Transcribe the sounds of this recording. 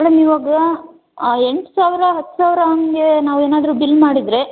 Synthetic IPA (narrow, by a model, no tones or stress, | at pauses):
mɛɽɐmiʋaːɡɐ | eɳʈsaːʋiɾɐɦɐt̪ːu̥saːʋɾɐɦɐŋɡenaːʋueːnaːd̪ɾuːbilːmaːɽid̪ɾe̞